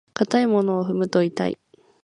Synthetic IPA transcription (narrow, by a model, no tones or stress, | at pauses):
kat̪aimo̞noːɸɯ̟mɯ̟t̪o̞it̪a̰ḭ